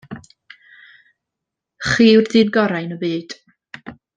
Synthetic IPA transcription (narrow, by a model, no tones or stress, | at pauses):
χiːwrðɨːnɡɔɾajnəbiːd̥